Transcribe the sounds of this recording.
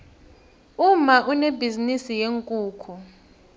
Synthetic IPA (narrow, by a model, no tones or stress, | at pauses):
umaʔunebizinisijeŋkʼuːkʰu